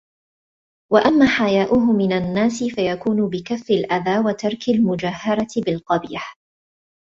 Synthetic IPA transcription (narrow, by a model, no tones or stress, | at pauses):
waʔamːaːħajaːʔʊɦʊmːɪnanːaːsɪfajakuːnʊbɪkafːɪlʔaðaːwat̪ɑɾˤkalmʊd͡ʒahːɑɾˤɑɪbɪlqɑbiːħ